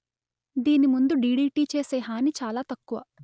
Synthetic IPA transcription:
d̪iːnimund̪uɖiːɖiːʈiːt͡ʃeːseːɦaːnit͡ʃaːlaːt̪ɐkːuʋɐ̰

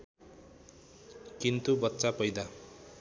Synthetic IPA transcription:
kint̪ubʌtːsapʌjd̪a

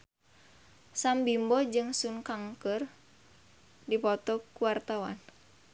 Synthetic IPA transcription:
sambimbɔd͡ʒɨŋsuŋkaŋkər | dipɔt̪ɔkuwart̪awa̰n

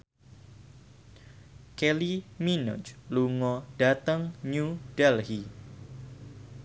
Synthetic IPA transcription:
keliminɔ̰t͡ʃluŋɔd̥at̪əŋɲudɛlhi

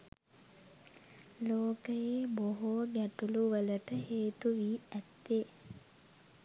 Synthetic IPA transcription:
loːkəjeːboɦoːɡæʈuluʋələʈəɦeːt̪uʋiːæt̪ːe

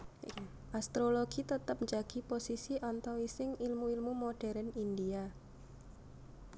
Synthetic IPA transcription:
ʔast̪ɾoloɡ̥it̪ət̪əp̚ɲd͡ʒaɡ̥i̤posisiʔɔnt̪ɔwisɪŋilmuilmumoɖ̥ɛɾənindia

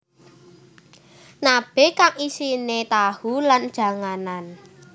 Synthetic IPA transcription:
nab̥e̤kaŋisinet̪ahuland̥ʒ̥a̤ŋanan

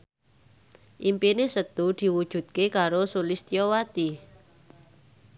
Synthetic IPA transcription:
ʔimpinesət̪ud̪̥i̤wud̥ʒ̥ṳt̪̚kekaɾosulist̪iɔwat̪i

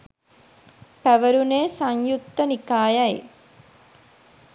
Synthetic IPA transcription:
pæʋəɾuneːsaɲjut̪ːənikaːjaj

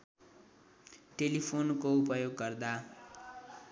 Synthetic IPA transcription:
ʈelipʰonkoupʌjoɡːʌrd̪a

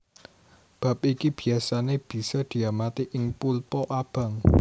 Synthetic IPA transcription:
b̥a̤p̚ikib̥i̤asaneb̥i̤sɔd̪̥i̤amat̪iʔɪŋpulpɔʔab̥ä̤ŋ

